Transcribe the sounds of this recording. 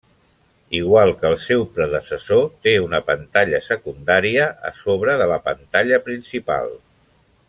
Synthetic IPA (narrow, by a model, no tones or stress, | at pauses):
iɣwalˠkəːlˠsɛwpɾəðəsəsot̪eunəpənt̪aʎəsəkund̪aɾiəə̰soβɾəðələpənt̪aʎəpɾinsipa̰lˠ